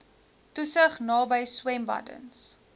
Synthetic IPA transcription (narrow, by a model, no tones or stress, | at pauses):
tusəχnɑːbəjswɛmbɐ̰də̰ns